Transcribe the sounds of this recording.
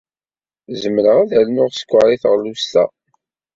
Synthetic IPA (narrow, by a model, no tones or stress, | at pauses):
zəmːələʁæðælnʊʁsə̥kʷːaɾˤiθʁlust̪æ̰